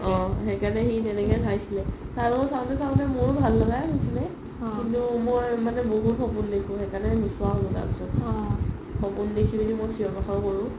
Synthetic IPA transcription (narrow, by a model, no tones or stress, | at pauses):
ɔ̃xɛkanɛxitɛnɛkɛdʰʱajsilɛ | saɹbɔkɔsaʊ̃tɛsaʊ̃t̬ɛmʊɹbʱalːaɡajaɦisilɛ | kintumojmanɛboɦutxɔpundekʰʊ̃xɛkanɛmiswaɔuta̰ɹpisɔtɔ | xɔpundekʰibidimojsʰiɔmaxɔɹkoɹʊ̃